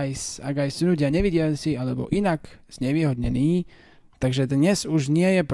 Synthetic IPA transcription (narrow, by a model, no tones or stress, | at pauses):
jsaɡajsunuɟɪaɲɛʋiɟɪalt͡sialɛbɔ̰ʔinakz̥ɲɛʋiːɦɔd̪ɲɛniː | t̪aɡʒɛd̪ɲɛzuʒɲɪɛjɛpɾ